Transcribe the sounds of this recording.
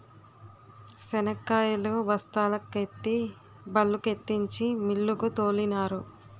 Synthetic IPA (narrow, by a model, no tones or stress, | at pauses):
sɛnɐkːaːjɐloːbɐst̪aːlɐkːet̪ːi | bɐlːuket̪ːiɲt͡ʃimilːukut̪oːlinaːɾu